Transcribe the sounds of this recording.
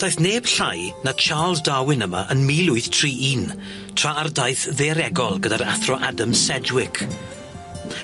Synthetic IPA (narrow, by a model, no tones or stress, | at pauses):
d̥ajθneːb̥ɬajnat͡ʃʰaːlˠzdawɪnəma̰ʔənmilˠʊɨθtʰr̥iːʔiːn | tʰr̥aardajθðeɾɛɡɔlˠɡədaɾaθrɔʔadamsɛd͡ʒwɪkʰ